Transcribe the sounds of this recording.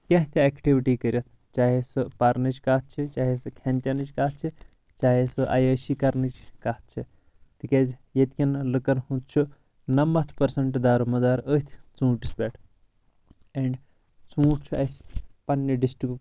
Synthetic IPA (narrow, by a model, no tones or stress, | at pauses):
kʲɐ̃ɦt̪ʲʰɛkʈiʋiʈiːkəɾʲjɐt̪̚ʰ | t͡ʃaːɦesɨpaɾnɐt͡ʃkaːt̪̚t͡ʃʰit͡ʃaːɦisɨkʰɛnt͡ʃɐnɨt͡ʃkaːt̪̚t͡ʃʰi | t͡ʃaːɦesɨʔa̰jəːʃikɐɾnɨt͡ʃkaːɦt̪̚ʰt͡ʃʰi | t̪ikaːzʲjet̪kʰʲɐnlɨkɐnhũt̪t͡ʃʰu | nɐmɐt̪ʰpɐɾsɐɳʈd̪aːɾumɐzaːɾət̪ʲʰt͡sũːʈisbʲɛːʈʰ | eɳɖ | t͡sũːʈt͡ʃʰuɐspɐnːɐɖisʈɾik